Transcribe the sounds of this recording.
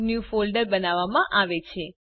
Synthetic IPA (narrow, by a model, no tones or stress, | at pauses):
njufolɖəɾbənaʋamãʔaʋet͡ʃʰe